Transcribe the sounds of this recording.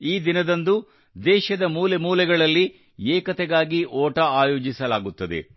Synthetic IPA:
iːd̪inɐd̪ɐnd̪u | d̪ɛːʃɐd̪ɐmuːlemuːlɛɡɐɭɐlːi | eːkɐt̪ɛɡaːɡiʔoːʈɐaːjo̞ːd͡ʒisɐlaːɡut̪ːɐd̪e̞̰

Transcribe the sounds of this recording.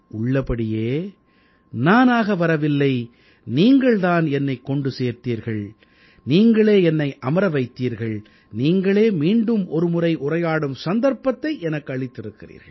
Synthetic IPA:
ʔʊɭːɐpɐɽɪjeː | naːnaːɣɐʋɐɾɐʋɪlːɐɪ | niːŋɡɐɭðaːnɛnːɐɪkːɔɳɖɯseːɾt̪iːɾɣɐɭ | niːŋɡɐɭeːɛnːɐɪʔɐmɐɾɐʋɐɪt̪ːiːɾɣɐɭ | niːŋɡɐɭeːmiːɳɖɯmʔɔɾɯmʊrɐɪʔʊrɐjaːɽɯmsɐnd̪ɐɾpːɐt̪ːɐɪʔɛnɐkːɯɐɭɪt̪ːɪɾɯkːɪrḭːɾɣɐ̰ɭ

